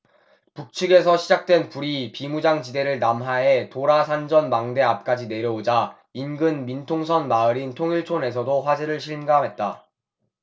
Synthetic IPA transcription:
puk̚t͡ɕʰɯɡe̞s̬ʰʌɕʰid͡ʑak̚t͈we̞npuɾipimud͡ʑaŋt͡ɕide̞ɾɯɭnamɦae̞toɾasʰand͡ʑʌnmaŋde̞ap̚k͈ad͡ʑine̞ɾjʌod͡ʑa | inɡɯnmintʰoŋsʰʌnmaɯɾintʰoŋiɭt͡ɕʰone̞s̬ʰʌdoɸwad͡ʑeɾɯɭɕʰiɭmɡamɦe̞t̚t͈a

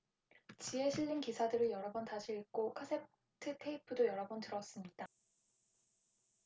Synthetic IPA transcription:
t͡ɕie̞ɕʰiʎːinkisʰadɯɾɯɭjʌɾʌbʌntaɕʰiik͈okʰasʰe̞pʰ | tʰɯtʰe̞ipʰɯdojʌɾʌbʌntɯɾʌs͈ɯmɲid̥a

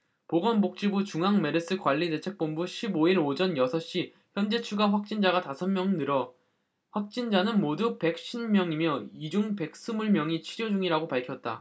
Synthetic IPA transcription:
poɡʌnbok̚t͡ɕ͈ibut͡ɕuŋɦaŋme̞ɾɯs͈ɯkwaʎːide̞t͡ɕʰe̞k̚p͈ombuɕʰiboiɾod͡ʑʌnjʌsʰʌɕ͈i | çjʌnd͡ʑe̞t͡ɕʰuɡaɸwak̚t͡ɕ͈ind͡ʑaɡatasʰʌnmjʌŋnɯɾʌ | ɸwak̚t͡ɕ͈ind͡ʑanɯnmodupe̞k̚ɕ͈ʰinmjʌŋimjʌid͡ʑuŋpe̞k̚s͈ɯmuɭmjʌŋit͡ɕʰiɾjod͡ʑuŋiɾaɡopaɭkʰjʌt̚t͈a

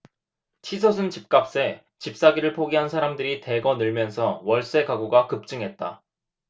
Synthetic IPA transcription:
t͡ɕʰisʰʌs̬ʰɯnt͡ɕip̚k͈ap̚s͈e̞ | t͡ɕip̚s͈aɡiɾɯɭpʰoɡiɦansʰaɾamdɯɾite̞ɡʌnɯɭmjʌnsʰʌwʌɭs͈e̞kaɡuɡakɯp̚t͡ɕ͈ɯŋɦe̞t̚t͈a̰

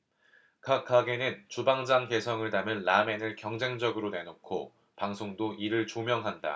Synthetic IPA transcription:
kʰak͈ʰaɡe̞nɯnt͡ɕubaŋd͡ʑaŋke̞sʰʌŋɯɭnamɯnːame̞nɯɭkjʌŋd͡ʑe̞ŋd͡ʑʌɡɯɾone̞nokʰo̰ | paŋsʰoŋdoʔiɾɯɭt͡ɕomjʌŋɦanda̰

